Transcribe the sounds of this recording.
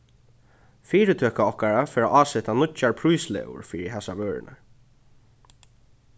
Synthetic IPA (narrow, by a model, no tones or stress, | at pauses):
fiːɾɪt̪ʰøːkaɔhkaɹafɛːɾaʔaːsɛt̪anʊt͡ʃaɹpʰɾujslɛ̰ːʊ̰ɹfiːɾɪɦɛsaʋøːɹɪ̰nʔa̰